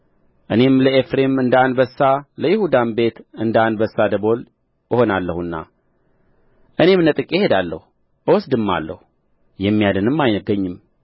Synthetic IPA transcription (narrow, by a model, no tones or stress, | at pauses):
ʔɨne̞mləefɾe̞mɨnd̪əanbəsːaləjɪhud̪anbe̞t̪ɨnd̪anbəsːad̪əbo̞l | əho̞nalːəhunːa̰ | ʔɨne̞mnət̪ʼɨkʼehe̞d̪alːə̰hu | ʔɨwɔsd̪ɨmːa̰lːə̰hu | jɛmːijad̪ɨnɨmːajnəɡəɲːɨm